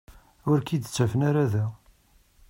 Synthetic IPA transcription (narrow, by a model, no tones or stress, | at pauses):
ʊɾkid̪t͡sːæfənaɾæðæ